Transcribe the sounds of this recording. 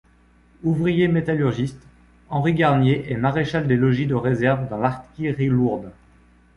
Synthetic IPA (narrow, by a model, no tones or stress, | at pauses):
uvʁijemet̪alyʁʒist̪ | ɑ̃ʁiɡaʁnjeʔɛmaʁeʃald̪elɔʒid̪əʁezɛʁvd̪ɑ̃laʁt̪kʲiʁiluʁd̪